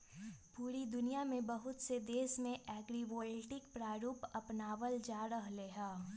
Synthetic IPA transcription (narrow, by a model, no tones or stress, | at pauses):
puːɾid̪ʊnijamẽbɐɦʊt̪sed̪eːsmẽʔɛːɡɾiʋoːlʈɪkpɾaːɾuːpɐpnaːʋəld͡ʒaːɾəɦleɦɛː